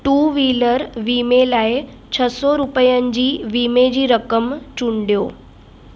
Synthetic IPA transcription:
ʈuːʋiːləɾʋiːmelaːɪ | t͡ɕʰəsɔɾupəjənɪ̆d͡ʑiːʋiːmed͡ʑiːɾəkəmt͡ɕuɳɖijoː

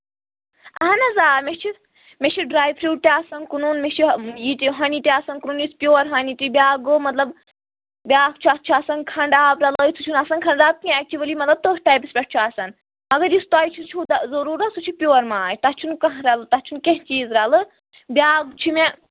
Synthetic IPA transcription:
ɐɦɐnɐzaːmet͡ʃʰi | met͡ʃʰiɖɾaːjpʰɾiːt̪ʲiaːsɐnkununmet͡ʃʰijit̪iɦɐnit̪iaːsɐnkununjispʲjoːɾɦɐnit̪ibʲaːɡomɐt̪lɐb | bʲaːkt͡ʃʰuatt͡ʃʰuasɐnkʰɐɳɖaːbɾɐlɐjit͡s̪ʰut͡ʃʰunasɐnkʰɐɳɖaːb̚kʰĩɛːk̚t͡ʃiʋɐliːmɐt̪lɐb̚t̪oːsʈaːjpispʲɐʈ̚t͡ʃʰuaːsɐn | ɐɡɐɾjist̪aːjit͡ʃʰisut͡ʃʰud̪zɐɾuːɾɐsut͡ʃʰupʲjoːɐɾmaːjʲt̪ɐt͡ʃʰunkɐɦɾɐlɨt̪ɐt͡ʃʰunkẽɦt͡ʃiːzɾɐlɨ | bʲaːɡt͡ʃʰime

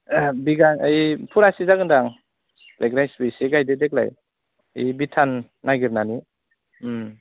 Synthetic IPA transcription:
biɡaŋajpʰuɾasizakɯdaŋ | lʔeɡɾajsbisiɡajdedek̚la̰j̰ | jbitʰanː | aɡiɾnani | m̩

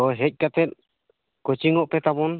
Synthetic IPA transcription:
ɔɦɛc̚ˀkat̪ɛt̪̚ | kɔt͡ʃiŋɔʔpɛt̪abɔn

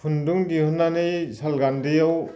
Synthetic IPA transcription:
pʰunduŋdihɯnːanɯjsʰalɡandijaw

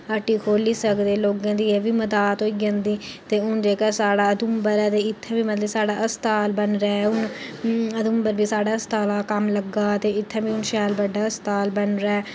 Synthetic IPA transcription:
aːʈiːkʰoːliːsəkd̪eːloːɡãːd̪iːɛːʋiːməd̪aːt̪oːiɡə̃nd̪iː | t̪eːʊnd͡ʒeːkaːsaːɽaːəd̪umbəɾɛːt̪eːɪt̪ʰːɛ̃ːbiːmət̪ləbsaːɽaːʔəst̪aːlbənɾɛːʊn | əd̪ʊmbəɾbiːsaːɽaːəst̪aːlaːkəmləɡaːt̪eːɪt̪ʰːɛ̃ːbiːʊnʃaːlbəɖːaːəst̪aːlbənɾaːɛː

